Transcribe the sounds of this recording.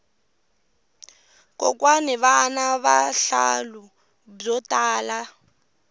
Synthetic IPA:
kʼɔ̰kwanɛβaːnaβaɬa̰lu | b͡ʐɔtʼaːla

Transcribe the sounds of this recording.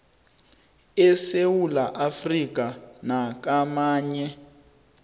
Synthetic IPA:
ɛsewulaʔafrik̬anak̬amaːɲɛ

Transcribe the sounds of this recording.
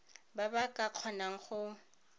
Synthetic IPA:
babakʼaq͡χʰɔnaŋ̩χʊ

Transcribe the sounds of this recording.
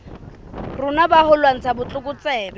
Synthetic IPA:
rʊnabahʊlwaŋ̩t͡sʰabʊt͡ɬʼʊkʼʊt͡sɛːbɛ

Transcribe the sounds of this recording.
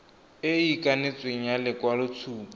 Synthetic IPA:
ɪikʼanɪt͡sʼweŋ̩jalɪkʼwalʊt͡sʰuːpa

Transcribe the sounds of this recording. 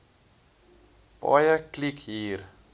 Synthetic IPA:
b̥ɑ̰jəklikɦiːr

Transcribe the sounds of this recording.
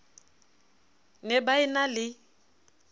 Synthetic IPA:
nɛbaɪnalɪ

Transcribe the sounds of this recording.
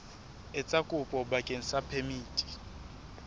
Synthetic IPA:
ɛt͡sʼakʼupʼɔɓakʼɛn̩sapʰemiːtʼi̥

